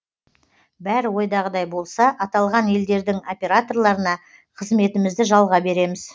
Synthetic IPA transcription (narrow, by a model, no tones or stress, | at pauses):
bæɾɪwo̞jd̪ɑʁəd̪ɑjbo̞lˠsɑʔɑt̪ɑlˠʁɑnje̞ld̪e̞ɾd̪ɪŋo̞pʲe̞ɾat̪o̞rlˠɑɾənɑ | qʰəzme̞t̪ɪmɪzd̪ɪʒɑlˠʁɑbe̞ɾe̞mɪz̥